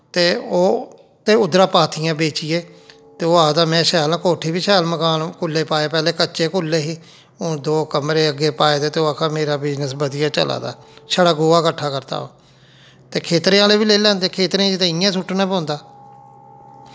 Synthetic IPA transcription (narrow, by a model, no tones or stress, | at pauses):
t̪eːoː | t̪eːʊd̪ɾaːpaːt̪ʰɪjãːbeːt͡ʃɪjeː | t̪eːoːaːd̪aːmɛ̃ːʃɛːlãːkoːʈʰiːbiːʃɛːlməkaːlkʊlːeːpaːeːpɛːleːkət͡ʃeːkʊlːeːɦiː | õːd̪oːkəmɾeːəɡːeːpaːeːd̪eːt̪eːoːakʰaːmeːɾaːbɪznəsbəd̪ɪjaːt͡ʃə̰la̰ːd̪a̰ːʃəɽaːɡoːaːkəʈʰːaːkəɾt̪a̰ːo̰ː | t̪eːkʰeːt̪ɾẽːaːleːbiːleːlɛ̃ːnd̪eːkʰeːt̪ɾẽd͡ʒɪt̪ẽːɪjãːsʊʈʰːnãːpɔ̃ːnd̪aː